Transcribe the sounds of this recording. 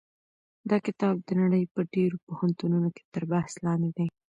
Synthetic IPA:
d̪ɑkɪt̪ɑb̚d̪ənaɽəjpəɖeɾopohant̪ununoke̥t̪əɾbahslɑnd̪ed̪aj

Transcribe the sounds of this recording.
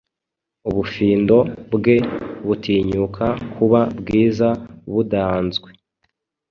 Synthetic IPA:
uβufiːndo̞bɡe̞βutʰiːɲukʰakʰuβabɡiːzaβudanzɡwe

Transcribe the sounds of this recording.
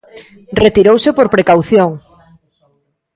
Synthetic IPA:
ret̪iɾowsepoɾpɾekawθjoŋ

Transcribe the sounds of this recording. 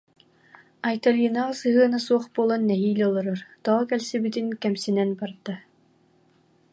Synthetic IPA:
ajt̪aljɯnaʁasɯɦɯɐnasuɔχbuɔlˠanːɛɦiːlʲɔlˠɔɾɯɾt̪ɔːkɛlsibit̪inkɛmsinɛnbaɾd̪a

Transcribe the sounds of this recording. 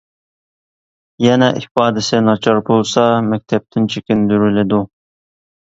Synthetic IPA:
jɛnɛʔɪfɑːd̪ɪsɪnɑt͡ʃʰɑɾbolˠsɑmɛk̚ʲt̪ʰɛp̚t̪ʰɪnt͡ʃʰekʲind̪yɾylɪd̪u

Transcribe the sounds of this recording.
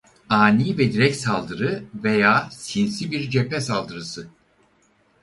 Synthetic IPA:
aːniːvɛd̪iɾɛcsalˠd̪ɯɾɯvejaːsinsibiɾd͡ʒepʰɛsalˠd̪ɯɾɯsɯ

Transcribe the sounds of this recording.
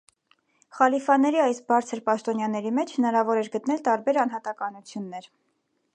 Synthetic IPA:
χɑlifɑnɛɾiɑjsbɑɾt͡sʰəɾpɑʃt̪ɔnjɑnɛɾimɛt͡ʃʰhənɑɾɑvɔɾɛɾɡət̪nɛlt̪ɑɾbɛɾɑnɦɑt̪ɑkɑnut͡sʰjunːɛɾ

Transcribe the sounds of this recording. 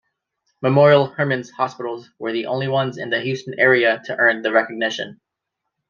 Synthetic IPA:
məmɔɹil̩ˠhɜ˞mɨ̃nz̥hɑspɪɾl̩ˠzwə˞ðiʔõ̰ʊ̃nliwʌ̃nzɨ̰̃nðɨɦjʉstɨ̃n̩ɛɹiɨɾʰɨʔɜ̃˞nðɨɹɛkɨɡ̚nɪʃɨ̰̃n

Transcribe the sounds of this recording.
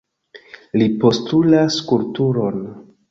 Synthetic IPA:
lipo̞stulaskultuɾo̞n

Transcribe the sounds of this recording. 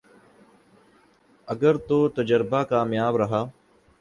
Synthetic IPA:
əɡəɾt̪oːt̪əd͡ʒəɾbaːkaːmjaːbɾəɦaː

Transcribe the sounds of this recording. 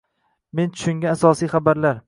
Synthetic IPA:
me̞nt͡ʃ̪ʰʊ̥ʃʊŋɡʲaːsɒsijχabaɾlaɾ

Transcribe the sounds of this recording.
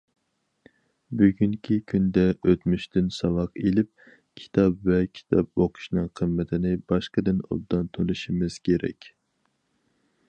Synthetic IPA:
byɡʲyŋkʲʰikʲʰynd̪ɛʔøt̪myʃt̪ɪnsɑwɑqelɪp̚ | kʲʰi̥t̪ʰɑpvɛkʲʰi̥t̪ʰɑp̚boqʰʊ̥ʃnɨŋqʰəmːɪt̪ʰɪnɪbɑʃqəd̪ɪno̰d̪ɑnt̪ʰonɨʃimɪz̥kʲʰeɾɛ̰kʲ

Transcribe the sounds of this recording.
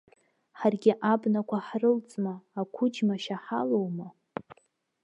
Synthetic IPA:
ħarɡʲɪʔabnakʷʰaħrɨlt͡sʼmaːkʷʰʊd͡ʒmaʃaħalowma

